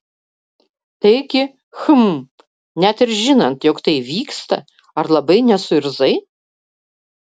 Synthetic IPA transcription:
t̪ɐɪɡʲɪ | xɨm | nʲæt̪ɪɾʒʲɪnɐnt̪jɔkt̪ɐɪʋʲiːkst̪ɐ̰ | ɐrlˠɐbɐɪnʲɛsʊɪɾzɐɪ

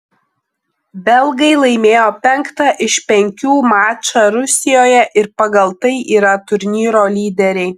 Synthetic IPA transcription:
bʲɛlˠɡɐɪlˠɐɪmʲeːjoːpʲɛŋkt̪ɑʔɪʃʲpʲɛŋʲkʲuːmɑːt͡ʃɑːɾʊsʲɪjoːjɛʔɪɾpɐɡɐlˠt̪ɐɪʔiːɾɐt̪ʊɾʲnʲiːɾoːlʲiːd̪ʲɛɾʲɛɪ

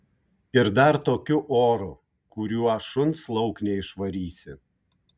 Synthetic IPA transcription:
ɪɾd̪ɐɾt̪oːkʲʊʔoːɾʊ | kʊɾʲuːɐʃʊnˑslˠɒʊknʲɛɪʃʋɐɾʲiːsʲɪ

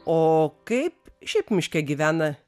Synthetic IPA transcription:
oːkɐɪpʃʲɛɪpmʲɪʃʲkʲɛɡʲiʋʲæːnɐ

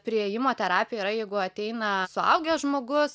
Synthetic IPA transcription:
pʲɾʲɪejɪmoːt̪ʲɛɾɑːpʲɪjɛiːɾɐjɛɪɡʊɐt̪ʲɛɪnɐsʊɐ̰ʊɡʲɛʒmoːɡʊs

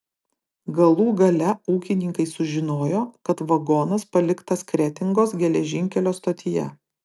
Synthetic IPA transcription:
ɡɐlˠuːɡɐlʲɛuːkʲɪnʲɪŋkɐɪsʊʒʲɪnoːjoːkɐt̪ʋɐɡɔnɐspɐlʲɪkt̪ɐskɾʲɛt̪ʲɪŋɡoːsɡʲɛlʲɛʒʲɪŋʲkʲɛlʲoːst̪oːt̪ʲɪjɛ̰

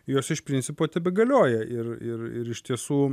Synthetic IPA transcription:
joːsɪʃpʲɾʲɪnʲsʲɪpoːt̪ʲɛbʲɛɡɐlʲoːjɛɪrɪrɪ̰ɾɪʃt̪ʲiɛsuː

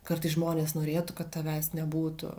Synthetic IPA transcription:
kɐrt̪ɐɪsʒmoːnʲeːsnoːɾʲeːt̪ʊkɐt̪t̪ɐʋʲæsnʲɛbuːt̪ʊ̰

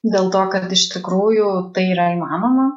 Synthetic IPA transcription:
d̪ʲeːlˠt̪oːkɐt̪ɪʃt̪ʲɪkɾuːjʊt̪ɐɪiːɾɐɪlmaːnoːmɐ

